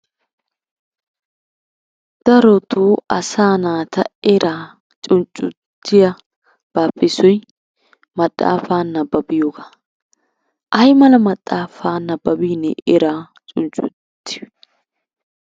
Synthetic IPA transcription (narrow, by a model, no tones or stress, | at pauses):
d̪̥ɐɾɔt̪uːɐsaːnaːt̪ʰɐɛɾʔaː | t͡ʃʼʊnt͡ʃʼːʊt̪ːɪjɐ | b̥aːpʼːɪsɔj | mɐt̪ʼːa̰ːfaːnːɐbɐbɪjoːɡa | ʔɐjmɐlɐmɐt̪ʼːaːfaːnːɐbɐbiːnɛ̰ʔɛɾaː | t͡ʃʼʊnt͡ʃʼʊ̰t̪ːɪj